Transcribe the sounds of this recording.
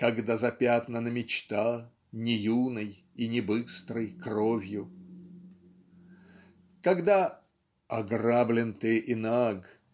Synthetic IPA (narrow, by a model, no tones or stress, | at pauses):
kɐɡd̪azɐpʲat̪nənəmʲɪt͡ɕt̪a | nʲɪjunəj | inʲɪbɨst̪ɾɨjkrovʲjʊ | kɐɡd̪a | ɐɡrablʲɪnt̪ɨʔɪnaɡ